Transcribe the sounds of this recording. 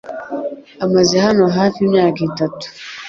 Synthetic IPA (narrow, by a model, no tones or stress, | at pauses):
amazehano̞ɦaːfiimɲaːkaitatu̥